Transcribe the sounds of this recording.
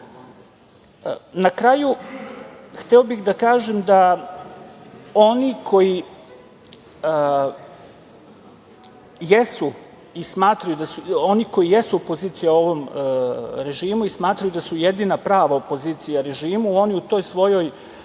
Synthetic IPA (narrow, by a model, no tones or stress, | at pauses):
nakɾaːju | xt̪ɛobixd̪akaːʒemd̪a | o̞nikʰo̞ji | jesu | ismaːt̪ɾajud̪asuo̞niko̞jijesuopo̞ziːt̪sijao̞ʋo̞m | ɾe̞ʒiːmuismaːt̪ɾajud̪asujed̪inapɾaːʋaopo̞ziːt̪sijaɾe̞ʒiːmuo̞niut̪o̞ːjsʋo̞jo̞j